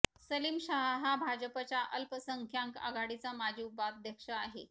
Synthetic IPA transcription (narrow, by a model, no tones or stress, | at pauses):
səliːmɕaɦaɦabʱad͡ʑəpat͡ɕjaʔəlpəsəŋkʰjaŋka̰ɡaɽit͡samad͡ʑʱiupad̪ʱjəkʂəaɦe